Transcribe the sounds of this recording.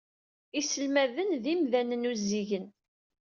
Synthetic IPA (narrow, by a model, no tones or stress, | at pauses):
isəlmæðənðimðænənuzːiʝən